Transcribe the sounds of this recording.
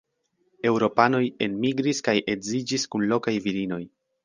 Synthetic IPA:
e̞wɾo̞pano̞je̞nmiɡɾiskajʔe̞zid͡ʒiskunlo̞kajviɾino̞j

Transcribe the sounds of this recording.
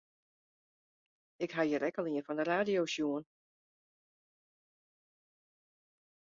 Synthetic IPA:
ɪkɦajəɾɛkəlˠiənfɔndəraːdijosjuən

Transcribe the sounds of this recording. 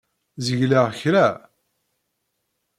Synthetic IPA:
zəʝlaʁçɾæ

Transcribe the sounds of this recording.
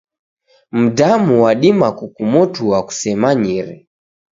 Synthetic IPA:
m̩damuwaɗimakukumɔtuaku̥sɛmaɲiɾɛ

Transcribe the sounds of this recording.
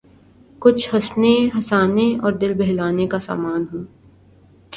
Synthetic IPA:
kʊt͡ʃʰhɐsneɦɐsaːneɔːɾd̪ɪlbɛɦlaːnekasa̰ːmaːnɦõː

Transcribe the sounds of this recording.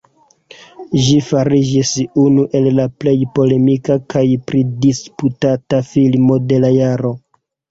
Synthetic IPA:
ʒifaɾid͡ʒisunuʔe̞lːaple̞jpo̞le̞mikakajpɾidisputatafilmo̞de̞lajaɾo̞

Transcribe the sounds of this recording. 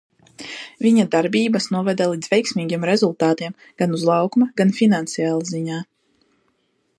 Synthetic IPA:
vʲiɲad̪aɾbiːbasnuɔvɛd̪alˠiːd̪zvʲɛjksmʲiːɡʲiɛmɾezulˠt̪aːt̪iɛm | ɡ̥anuzlˠɑwkmaɡanfinant̪sijaːlˠaziɲaː

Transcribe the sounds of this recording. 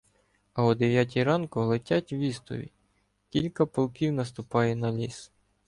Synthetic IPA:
ɐɔd̪ɪʋjɑt̬ʲiɾɑnkɔɦlˠetʲatʲwʋʲist̪ɔ̰ʋʲḭ | kʲilʲkɐpɔlˠkʲiwnɐst̪ʊpɑjɛnɐlʲis

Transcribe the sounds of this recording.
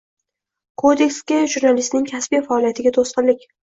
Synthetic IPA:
kʰod̪e̞kʲskʲaʒuɾnalist̪nɪŋkʲʰasbijfaːlijat̪ʰɪɡʲat̪ʰosqɨlɪkʲ

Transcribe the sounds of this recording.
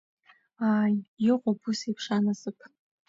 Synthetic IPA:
aːjjɨqʷʼʊbusipʰʂanazɨpʰ

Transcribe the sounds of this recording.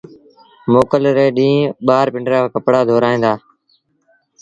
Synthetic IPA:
moːkəlɾeːɗĩːɓaːɾpɪ̃ɳɖɾaːkəpɽaːd̪ʱoːɾaːĩːnd̪aː

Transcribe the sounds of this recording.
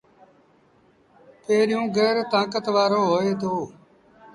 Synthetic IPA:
peːɾɪjũːɡeːɾt̪ãːkət̪ʋaːɾoːɦoːeːt̪ʰoː

